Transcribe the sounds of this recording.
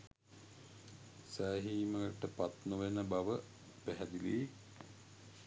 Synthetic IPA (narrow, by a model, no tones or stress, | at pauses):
saːɦiːmɐɡɐʈːɐpɐt̪noʋenɐbɐʋɐ | peɦɐd̪ile